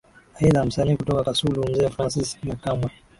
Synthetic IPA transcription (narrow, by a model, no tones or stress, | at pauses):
aiðam̩saniːkutɔkakasulum̩zɛfɾansismakamwɛ